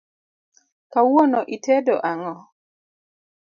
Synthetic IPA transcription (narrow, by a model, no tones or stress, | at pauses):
kawonɔʔitɛdɔʔaŋɔ